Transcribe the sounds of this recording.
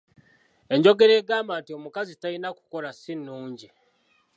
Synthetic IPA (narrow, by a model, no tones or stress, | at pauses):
e̞ɲɟo̞ɡe̞ɾeːɡaːmaːntio̞mukazitainaku̥ko̞ɾasinːuːɲɟi